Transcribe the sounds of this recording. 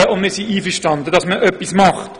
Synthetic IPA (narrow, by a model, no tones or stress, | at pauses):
əʊndmɪːsiiːfəʃtɑnd̪əd̥ɑsməʔœpːismɑχt